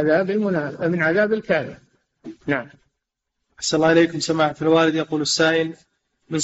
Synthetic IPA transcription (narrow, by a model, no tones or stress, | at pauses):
aðaːbɪlmʊnaːfamɪnʕaðaːbɪlkaːlɪm | naʕam | ʔaħsanlːɑːʔɪleːkʊmsamaːħfilwaːlɪd̪jɑquːlasːaːʔɪl | mɪn